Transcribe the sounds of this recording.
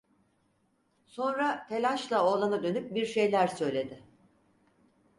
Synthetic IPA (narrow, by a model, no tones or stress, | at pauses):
so̞nɾatʰe̞lʲaʃlˠaoːlˠanad̪ø̞nyp̚biɾʃe̞jlʲæɾsø̞jlʲe̞d̪ɪ